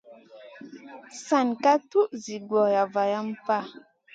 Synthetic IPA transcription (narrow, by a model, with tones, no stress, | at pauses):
sa˨nka˦tu˦ʔzi˨ɡwɔ˨ja˨va˨ja˦m˦pa˦˨